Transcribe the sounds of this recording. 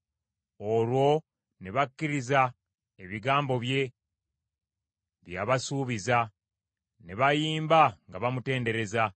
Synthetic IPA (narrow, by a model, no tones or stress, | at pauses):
o̞lwo̞ | neβakːiɾiza | eβiɡaːmbo̞βje̞ | βjaβasuːβiza | neβajiːmbaŋɡaβamute̞ːnde̞ɾe̞za